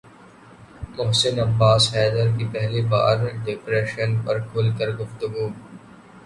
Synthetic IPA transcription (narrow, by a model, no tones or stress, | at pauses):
mʊɦsɪnɐbːaːshɛːd̪əɾkipɛɦliba̰ːɾɖɪpɾɛːʃənpɐɾkʰʊːlkəɾɡʊft̪ʊɡuː